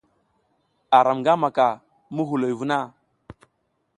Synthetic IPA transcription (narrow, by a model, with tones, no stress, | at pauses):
a˨ɾa˨mŋɡa˦ma˨ka˨ | mu˦ɦu˨lo˨jvu˦na˦˨